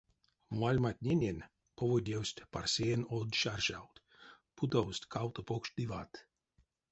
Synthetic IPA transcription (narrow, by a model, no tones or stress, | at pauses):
malʲmat̪̚ʲnʲenʲen | pʰovod̪ʲewsʲt̪ʲparsʲejenod̪ʃarʃawt̪ | pʰut̪owst̪ʲkʰawt̪opokʃd̪ivat̪